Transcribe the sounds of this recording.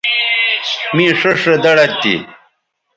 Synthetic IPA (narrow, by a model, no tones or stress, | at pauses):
mĩːʂeʂed̪ɐɽɐt̪ːḭ